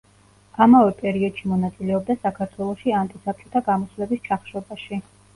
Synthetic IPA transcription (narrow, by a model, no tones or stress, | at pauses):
amavɛpʼɛɾiɔd̪̥ʃimɔnat̪sʼilɛɔb̚d̪asakʰaɾt̪ʰwɛlˠɔʃiant̪ʼisap̚t͡ʃʼɔt̪ʰaɡamɔsvlɛbist͡ʃʰaχʃɔbaʃi